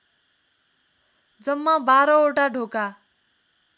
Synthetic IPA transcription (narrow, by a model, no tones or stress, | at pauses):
d͡zʌmːʌbaɾʌoʈaɖʱoka